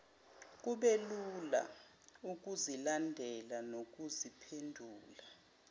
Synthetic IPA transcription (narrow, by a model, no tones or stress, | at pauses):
k̬ʼuɓelula̰ | uk̬uzilandʱɛlanok̬uzipʰendʱuːla